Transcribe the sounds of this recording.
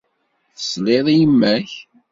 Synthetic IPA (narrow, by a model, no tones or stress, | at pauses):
θə̥sleðˤijəmːæç